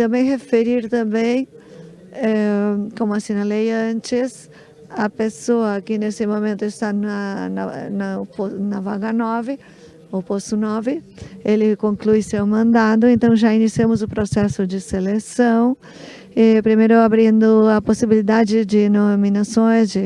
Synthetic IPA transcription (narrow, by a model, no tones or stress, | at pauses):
t̪ɐ̃mbẽj̃hefeɾiɾt̪ɐ̃mbẽj̃ | ɛkõmʊasĩnɐlejɐ̃nt͡ʃɪs | ɐpesoɐkɪnesɪmõmẽnt̪ʊɪst̪anɐnɐ̰nɐponɐvaɡɐnɔvɪ | oposʊnɔvɪelɪkõŋklujsewmɐ̃nd̪ad̪ʊẽnt̪ɐ̃w̃ʒainisiɐ̃mʊzʊpɾosɛsʊd͡ʒɪselesɐ̃w̃ | ɛpɾimejɾʊabɾĩnd̪ʊɐposibilid̪ad͡ʒɪd͡ʒɪnomĩnasõj̃zd͡ʒɪ